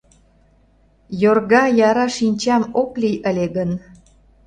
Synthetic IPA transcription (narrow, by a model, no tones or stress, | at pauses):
jorɣɑjɑɾɑʃinʲt͡ɕɑmoklijʔəlʲeɣən